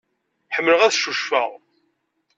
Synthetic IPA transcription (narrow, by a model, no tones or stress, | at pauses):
ħəmːləʁæðʃuʃfə̰ʁ